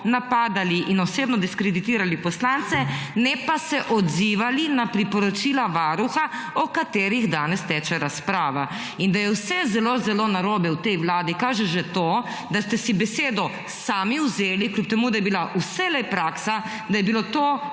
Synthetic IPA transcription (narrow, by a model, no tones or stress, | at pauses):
napaːd̪aliʔinɔseːbnɔd̪iskɾɛd̪it̪iːɾalipɔslant̪sɛnɛpasɛʔɔd̪ziːʋalinapɾipɔɾɔt͡ʃiːlaʋaːɾuxa | ɔkat̪eːɾiɣd̪aːnɛst̪ɛt͡ʃɛɾaspɾaːʋa | ind̪ajɛwsɛzɛlozɛlonaɾoːbɛwt̪ɛjʋlaːd̪ikaːʒɛʒɛt̪o | d̪ast̪ɛsibɛseːd̪ɔ | saːmiwzeːliklʲup̚t̪ɛmud̪ajɛbilaʔusɛlɛpɾaːksa | d̪ajɛbilot̪o